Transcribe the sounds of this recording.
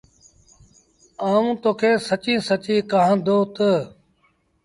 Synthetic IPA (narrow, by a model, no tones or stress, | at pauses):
aːũːt̪oːkʰeːsət͡ʃĩːsət͡ʃĩːkaɦãːnd̪oːt̪ə